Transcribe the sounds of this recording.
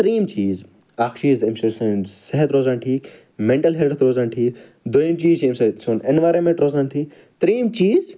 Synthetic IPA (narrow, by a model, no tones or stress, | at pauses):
t̪ɾiːmt͡ʃiːz | akt͡ʃiːzemsɐsɨnseɦɐt̪ɾoːzaːnʈʰiːk | mẽɳʈɐlɦeɖt̪ɾoːzaːɳʈʰiːk | d̪oimt͡ʃiːzemsɐsunenʋaːɾɐnmẽɳʈɾoːzaːnt̪ʰiː | t̪ɐɾiːmt͡ʃiːz